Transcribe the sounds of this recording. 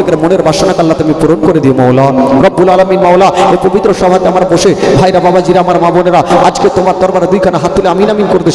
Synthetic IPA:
ekeɾmoneɾbaʃonakalːat̪eamipuɾonkoɾed̪iemɔwlaɾɔbːulalaminmɔwlaepobit̪ːɾoʃɔbʱat̪eamaɾboʃebʱajɾababad͡ʑiɾaamaɾmaboneɾaad͡ʑket̪omaɾt̪ɔɾbaɾad̪ujkʰanaɦat̪̚ʰːileaminaminkoɾed̪eʃ

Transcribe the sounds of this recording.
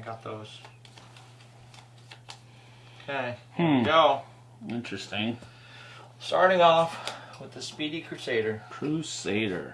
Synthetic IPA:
ɡɑt̪̚ðoʊz̥ | okʰeɪmm̩ɡoʊ | ɪ̃nt͡ʃɹ̥ɨstɪ̃ŋ | stɑ̰ɹɾɪ̃ŋɔfwəðɨspiɾikʰɹ̥ʉseɪɾə˞kʰɹ̥ʉseɪɾə̰˞

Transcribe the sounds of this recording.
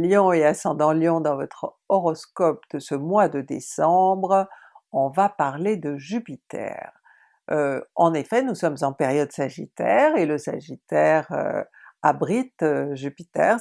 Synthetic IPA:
ljɔ̃easɑ̃d̪ɑ̃ljɔ̃d̪ɑ̃vɔt̪χ | ɔʁɔskɔp̚d̪̥əsəmwad̪əd̪ḛsɑ̃bʁ | ɔ̃vapaʁled̪əʒypit̪ɛ̰ʁ | ʔøɑ̃nefɛnusɔmzɑ̃peʁjɔd̪saʒḭt̪ɛʁeləsa̰ʒit̪ɛʁø̰ | abʁit̪ʒypit̪ɛ̰ʁ

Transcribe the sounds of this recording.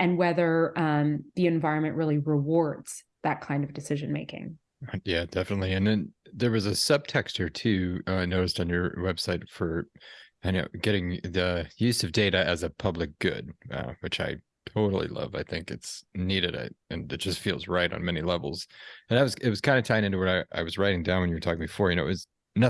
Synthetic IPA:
ɨ̃nwɛðə˞ʌ̃mðiɨ̃ɱvaɪɹɨ̃nmɨ̃nʔɹɪlˠiɹɪwɔɹdz̥ | ðɨt̚kʰãɪ̃ndʌvdɨsɪʒɨ̃nmeɪkɪ̰̃ŋ | jæd̥ɛfənətˡliɨ̃nðɨ̃nðə˞wʌzɨsʌb̥̚tʰɛkstʰə˞tʰʉʌnoʊɾɨstn̩jə˞wɛb̥saɪtfə˞aɪno̰ʊɡ̥ɛɾɪ̃ŋðɨjʉzʌvdeɪɾɨɨzɨpʰʌblɨk̚ɡ̥ʊ̰d̥̚ʌ̰wɨt͡ʃa̰ɪ | tʰoʊɾl̩ˠḭlʌ̰va̰ɪθɪ̃ŋkɨ̰tsniɾɨɾɪ̰tɨ̰̃nɨt̚d̥ʒ̥ʌstfilˠzɹaɪɾn̩mɛnilɛvl̩ˠz̥ɨ̃naɪt̚wʌz̥ɨt̚wʌz̥kʰãɪ̃ndɨtʰãɪ̃nɪ̃ntʉwʌɾaɪʔa̰ɪwʌzɹaɪɾɪ̃ŋdãʊ̃nwɨ̃njɨə˞tʰɔkɪ̃ŋbɨfɔɹjɨnoʊɨz | nʌ

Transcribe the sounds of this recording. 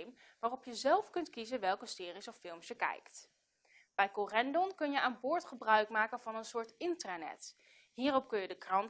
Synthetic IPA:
m | ʋaːrɔpjəzɛlˠfkɵntkizənʋɛlˠkəsɪːrisɔfɪlˠmsjəkɛ̰jkt | b̥ɛjkorɛndɔnkɵnjəʔaːnbʊːɹtχəbrœɥkmaːkənvɑnənsʊːɹtɪntranɛ̰t | ɦiːrɔp̚kɵnjədəkrɑn

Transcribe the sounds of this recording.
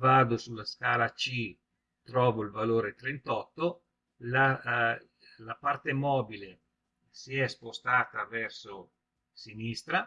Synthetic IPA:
vaːd̪osulːaskaːlat͡ʃi | t̪ɾɔːvoilvaloːɾet̪ɾent̪ɔt̪ːo | la | lapart̪emɔːbile | siɛspost̪aːt̪avɛrso | sinist̪ɾa

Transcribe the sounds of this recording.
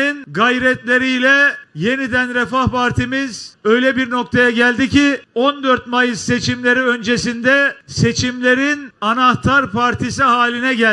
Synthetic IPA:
inɡajɾɛt̪lʲe̞ɾijlʲɛje̞nid̪ænɾɛfahpaɾt̪ʰimizø̞jlʲɛbiɾno̞k̚t̪ʰajaɟælʲd̪iciond̪øɾt̪̚majɯzse̞t͡ʃʰimlʲe̞ɾiø̞nd͡ʒe̞sind̪ɛse̞t͡ʃʰimlʲe̞ɾinanaht̪ʰaɾpʰaɾt̪ʰisiɦaːlʲinɛɟæl

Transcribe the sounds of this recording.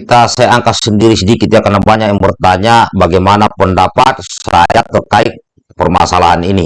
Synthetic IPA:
kit̪asajaaŋkasəndiɾisədikit̪jakanabaɲakjaŋbərt̪aɲabaɡɛjmanapəndapat̪̚sa̰jat̪ərkaik̚ | pərma̰salaɦanini

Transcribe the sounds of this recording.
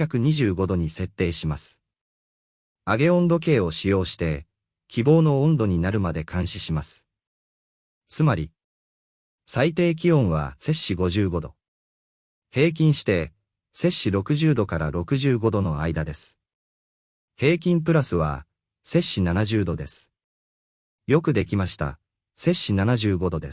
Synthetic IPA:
akɯ̟ɲ̟iʑɨːɡo̞d̪o̞ɲ̟ise̞t̪ːe̞ːɕimasɨ̥ | aɡe̞õ̞nd̪o̞k̬e̞ːo̞ɕijo̞ːɕi̥t̪e̞ | kʲʰibo̞ːno̞õnd̪o̞ɲ̟inaɾɯ̟mad̪e̞kʰãɰ̃ɕiɕimasɨ̥ | t͡sɨmaɾʲi | sait̪e̞ːk̬ʲiõ̞ɰ̃βa̰se̞ɕːiɡo̞ʑɨːɡo̞d̪o̞̰ | he̞ːk̬ʲĩɰ̃ɕi̥t̪e̞ | se̞ɕiɾo̞kɯ̟ʑɨːd̪o̞kaɾa̰ɾo̞kɯ̟ʑɨːɡo̞d̪o̞no̞aid̪ad̪e̞sɨ̥ | he̞ːkʲĩmp̬ɯ̟ɾasɨβa̰ | se̞ɕːinanaʑɨːd̪o̞d̪e̞sɨ̥ | jo̞kɯ̟d̪e̞kʲimaɕi̥t̪a̰ | se̞ɕːinanaʑɨːɡo̞d̪o̞d̪e̞

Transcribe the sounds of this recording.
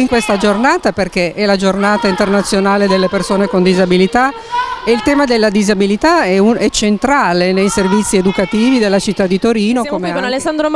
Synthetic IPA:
iŋkwest̪ad͡ʒornaːt̪aperkeʔɛlad͡ʒornaːt̪aint̪ernat̪sːjonaːled̪elːepersoːnekond̪izabilit̪a | eilt̪ɛːmad̪elːad̪izabilit̪aɛuɛt͡ʃent̪ɾaːlenejservit̪sːied̪ukat̪iːvid̪elːat͡ʃit̪ːad̪ːit̪oɾiːnokomenalesːand̪ɾo

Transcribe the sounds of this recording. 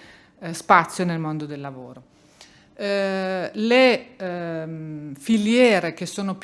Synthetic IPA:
spat̪sːjonelmond̪od̪elːavoːɾo | le | filjɛːɾek̟esːoːnop

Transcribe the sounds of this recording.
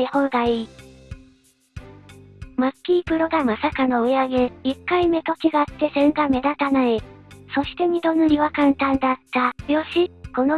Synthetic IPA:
ehod̪ai | makʲːiːpɯ̟ɾo̞ɡ̪amasakano̞ɯ̟jaɡe̞ikːaime̞t̪o̞kʲiɡaːt̪ːe̞sẽ̞ŋɡame̞d̪at̪anaeso̞ɕi̥t̪e̞ɲ̟id̪o̞nɯɾʲiβakãnt̪ãnd̪at̪ːajo̞ɕiko̞no

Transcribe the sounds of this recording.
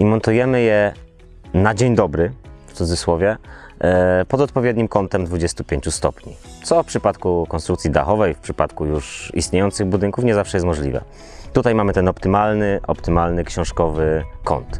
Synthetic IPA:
imɔnt̪ujɛmɘjɛ | nad͡ʑeɲd̪ɔbɾɘft̪sud̪zɘswɔvʲjɛ | pɔd̪ɔt̪̚pɔvʲjɛd̪̚ɲimkɔnt̪ɛmd̪vud͡ʑɛst̪upʲjeɲt͡ɕust̪ɔpɲḭ | t̪sɔfpʂɘpat̪kukɔnst̪ɾuk̚t̪sʲid̪a̰xɔvɛjfpʂɘpat̪kujuʂist̪ɲejɔnt̪sɘɣbud̪ɘŋkufɲɛzafʂɛjɛs̬t̪mɔʐlʲḭvɛ̰ | t̪ut̪ajmamɘt̪ɛnɔpt̪ɘmalnɘʔɔ̰pt̪ɘmalnɘkɕɔ̃w̃ʂkɔvɘkɔ̰nt̪

